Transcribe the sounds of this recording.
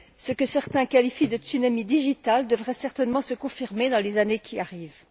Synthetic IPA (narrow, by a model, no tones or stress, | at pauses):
səkəsɛʁt̪ɛ̃kalifid̪ət̪ynamid̪iʒit̪ald̪əvʁɛsɛʁt̪ɛnmɑ̃səkɔ̃fiʁmed̪ɑ̃lezanekʲʰiaʁiːv